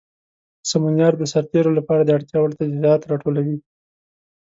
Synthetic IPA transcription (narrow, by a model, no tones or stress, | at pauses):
samunjɑɾd̪əsaɾt̪eɾolapɑɾad̪əaɽt̪jɑwəɾt̪azjɑt̪ɾɑʈolawi